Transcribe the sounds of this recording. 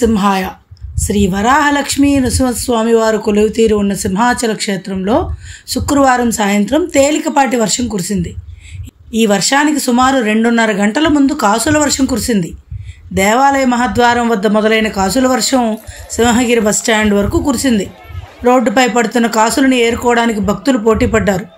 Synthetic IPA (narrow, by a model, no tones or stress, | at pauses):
simɦaːjɐ | ʃɾiːʋɐɾaːɦɐlɐkʂmiːnusimɐsʋaːmiʋaːɾukolɐʋit̪iːɾuːnːɐsimɦaːt͡ʃɐlɐkʂeːt̪ɾɐmlo̞ːsukːɾuʋaːɾɐmsaːjɐnt̪ɾɐmt̪eːlikɐpaːʈiʋɐɾʂɐmkuɾisind̪i | iːʋɐɾʂaːnikisumaːɾuɾe̞ɳɖunːɐɾɐɡɐɳʈɐlɐmund̪ukaːsulɐʋɐɾʂɐmkuɾisind̪i | d̪ɛːʋaːlɐjɐmɐɦat̪ʋaːɾɐmʋɐd̪ːɐmɔd̪ɐlɐjnɐkaːsulɐʋɐɾʂɐmsimɐɦɐɡiɾɐbɐsʈaːɳɖʋɐɾɐkukuɾisind̪i | ɾo̞ːɖːpɐjpɐɽut̪unːɐkaːsulɐnie̞ːɾkɔːɐɽaːnikibʱɐk̚t̪ulupo̞ːʈiːpɐɖːaːɾu